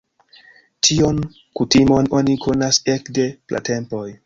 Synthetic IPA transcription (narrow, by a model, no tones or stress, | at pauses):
tʰion | kutimo̞no̞nikʰo̞nasekde̞plʔa̰te̞mpo̞j